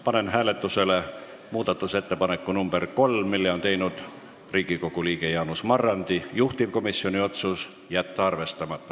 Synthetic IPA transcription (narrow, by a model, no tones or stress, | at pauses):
pɑne̞nɦæːle̞t̪ːˑuse̞le̞ | muːd̪̥ɑt̪ːˑuse̞t̪ːe̞pɑne̞kːˑunumb̥erko̞lːilːeo̞nt̪e̞jnud̪̥ | riːɡ̥iko̞ɡ̥uliːɡ̥e̞jɑːnusmɑrːɑnd̪ijuht̪ivko̞misio̞nʲio̞t̪sus | jæt̪ːɑɑrve̞st̪ɑmɑt̪ːˑɑ